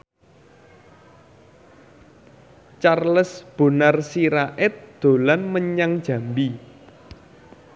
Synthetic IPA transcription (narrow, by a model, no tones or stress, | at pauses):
t͡ʃarləsb̥ṳnarsiɾaʔɪt̪̚d̪̥o̤lanməɲaŋd̥ʒ̥ä̤mbi